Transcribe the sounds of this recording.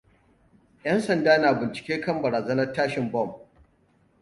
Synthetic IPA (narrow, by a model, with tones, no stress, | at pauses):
jʔɐ˦nsɐ˨ndaː˦naː˨bɪ˨nt͡ʃɪ̥˨kʲeː˦kɐ˦˨mbɐ˨ɾaː˨zɐ˦nɐ˦rtːaː˦ʃɪ˨mbɔ˦˨m